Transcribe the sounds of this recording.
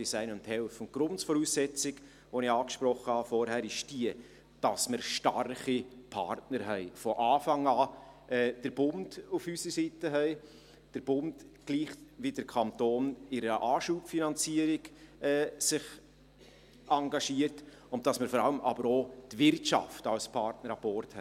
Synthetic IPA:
disɛɪnʊnthɛlfʊnt̚ɡ̥ɾʊntsfɔɾuːsɛt͡sɪɡ | ʋonɪɑːkʃpɾɔχːəhɑfɔɾhæːɾɪʃd̥iə | d̥ɑsməɾʃtɑ̰rχipʰɑ̰ɾtnəɾɦɛɪfɔʔɑːfɑŋɑːʔɛːd̥əɾb̥ʊnd̥ufysəsiːtəɦɛɪ | d̥əɾb̥ʊndɡ̥liːχʋid̥əɾkʰɑntoːnɪɾəʔɑːʃuːpfinɑnt͡siəɾɪɡɛːsɪχ | ɑŋɡɑʃiəɾt | ʊnt̚d̥ɑsməɾfɔɾɑləmʔɑ̰bəɾotvɪrtʃɑ̰ftɑlspʰɑɾtnəɾɑb̥ɔːrthɛɪ

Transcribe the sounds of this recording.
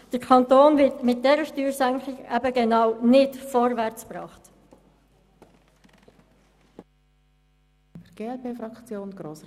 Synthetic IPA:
d̥əɾkʰɑntoːnvɪtmɪt̚d̥ɛɾəʃtyːɾsæŋkχɪɡæbəɡɛnɑwnɪdfɔɾvæɾt͡spɾɑ̰ːχt | fəɾɡ̥eːɛlpeːfɾɑkt͡sjoːnɡ̥ɾoːs

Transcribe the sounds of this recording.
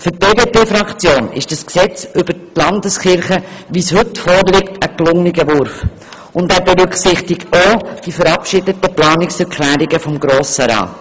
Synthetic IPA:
fʏt̚b̥eːbeːpeːfɾɑkt͡sjoːnɪ̰ʃd̥ɑsksɛt͡sʔʏb̥ətlɑndəsχɪɾχəʋishɵtfɔːɾlɪktəklʊŋniɡəʋʊɾf | ʊndæːɾbɛɾʏkχsɪχtɪɡtod̥ifəɾɑpʃɪdətəplɑːnɪksɛɾkʰlæːɾɪɡəfɔmɡɾoːsəɾɑ̰ːt

